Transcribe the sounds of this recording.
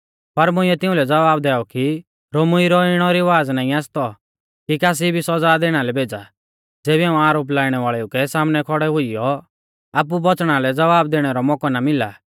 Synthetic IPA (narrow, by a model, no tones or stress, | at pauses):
pɐɾmʊ̃ɪɛt̪ɪ̃ʊ̃lɛd͡zɐʋaːbd̪ɛːɔki | ɾoːmʊiɾɔɪɽ̃ɔɾiʋaːd͡znaːĩaːst̪ɔ | kikaːs̬ibʱisɔd͡zad̪eːɽ̃alɛbʱeːd͡za | d͡zeːbiãːũaːɾoːp̬laːiɽ̃ɛʋaːɭɛukɛsaːmnɛkʰɔɽɛɦʊijɔ | aːp̬ubɔt͡sɽ̃alɛd͡zɐʋaːb̚d̪eːɽ̃ɛɾɔmɔkɔnamɪla